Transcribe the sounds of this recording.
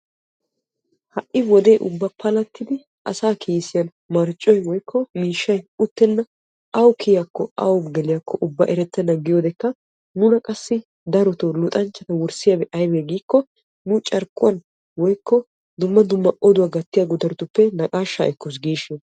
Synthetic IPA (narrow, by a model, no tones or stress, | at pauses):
hɐʔːɪwɔd̪e̞ːʔʊbːɐpʰɐlɐt̪ːɪd̪ɪ | ɐsaːkʰiːsɪjɐn | mɐɾt͡ʃʼːɔjwɔjkʰːɔmiːʃːɐjʊt̪ːɛnːɐ | ɐwkʰɪjakːɔɐ̰wɡɛlɪjakːɔʔʊbːɐʔɛɾɛt̪ːɐnɐɡɪjoːd̪ɛkːɐ | nʊnɐkʼɐsːɪ | d̪ɐɾɔt̪olʊt̪ʼɐnt͡ʃːɐt̪ɐwʊɾsɪjɐbɛʔɐjbeːɡiːkːɔ | nʊt͡ʃʼɐɾkːʊwɐn | wɔjkːɔ | d̪ʊmːɐd̪ʊmːɐʔɔd̪ʊwaːɡɐt̪ːɪjaɡʊd̪ɐɾɔt̪ʊpːɛnɐkʼaːʃːa̰ʔɛkːɔs̬ɡiːʃɪn